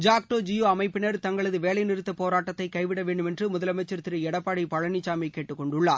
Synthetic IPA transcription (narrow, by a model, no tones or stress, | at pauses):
d͡ʒaːk̚ʈoːd͡ʒɪjoːɐmɐɪpːɯnɐɾt̪ɐŋɡɐɭɐðɯʋeːlɐjnɪɾɯt̪ːɐpoːɾaːʈːɐt̪ːɐɪkɐɪʋɪɽɐʋeːɳɖɯmɛndrɯmʊðɐlɐmɐɪt͡ʃːɐɾt̪ɪɾɯɛɽɐpːaːɽipɐɻɐnit͡ʃːaːmɐɪkːeːʈːɯkːɔɳɖɯɭːaːɾ